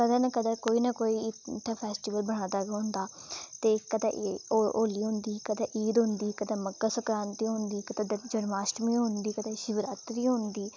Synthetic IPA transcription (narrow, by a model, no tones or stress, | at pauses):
kəd̪əːnəkəd̪əɾkoːiːnakoːiːɪt̪ʰːaːpʰɛːsʈɪʋəlbəɳ̃ãːd̪aːɡaːɦʊ̃nd̪aːt̪eːkəd̪aʔooːliːɦʊ̃nd̪iːkəd̪aːʔiːd̪ɦʊnd̪iːkəd̪aːməkːaːsəkɾaːnt̪iːɦʊ̃nd̪iːkət̪ad͡ʒəɽmaːsʈmĩːɦʊ̃nd̪iːkəd̪ãːʃɪʋɾaːt̪ɾiːɦʊ̃nd̪iː